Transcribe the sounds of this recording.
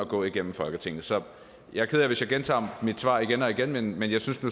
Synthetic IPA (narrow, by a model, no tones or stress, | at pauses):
ɒɡ̥ɔ̰̽ːiɡ̥en̰m̩fɒ̽lɡ̥ət͡sʰe̝ŋnəsɒ̽ | jɑ̈ɪkʰeðˠjɐʋe̝sjɑ̈ɪɡent͡sʰɑ̰̈ːmid̥sʋɑ̰̈ːiɡ̥enɒ̽iɡ̥enmenmenjɑ̈ɪsynsnu